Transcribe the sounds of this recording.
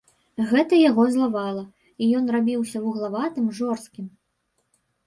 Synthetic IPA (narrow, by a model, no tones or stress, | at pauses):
ɣɛt̪ɐjaɣɔzlˠavalˠɐ | ijɔnrabʲiwsʲɐwuɣlˠavat̪ɨmʐɔrst̪kʲim